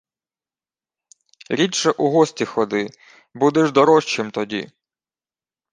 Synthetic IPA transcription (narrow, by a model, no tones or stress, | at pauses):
ɾʲitʃɛʔuɦɔsʲtʲixɔd̪ɪ | bud̪ɛʒd̪ɔɾɔʃt͡ʃɪmt̪ɔdʲḭ